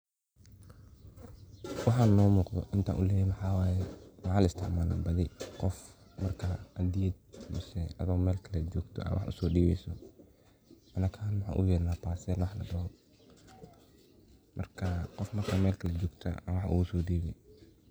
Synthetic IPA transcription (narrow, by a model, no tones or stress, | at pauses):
wɑħaːnɔːmuːqðɔ̰ʔɪnt̪ʰa̰ːʔʊlɛːjɛwɑħɑːwaːjɛmɑʕaːlɪst̪ʰɪʕmaːlbɐðɪqɔf | mɐrkʰaʔɐd̪ɪɐd̪̚mʊsɛɐðʊɣmɛːlkʰɐlɛd͡ʒɔːɡt̪ʰɔ̰ɐ̰wʔɑ̰ħʔʊ̰sɔːɖiːβɛjsɔ | ʔɐnɐkʰaːnwɑħa̰ːʔʊjɛːɾnaːpaːsɛːlwɑħlɐ̰ɖɐhɔ | mʔɐrkʰɐqɔfmɐrkʰaːmɛːlkʰɐlɛd͡ʒɔːɡt̪ʰɐ̰ɐwɑħʔʊ̰ɣʊsɔːɖiːβɛj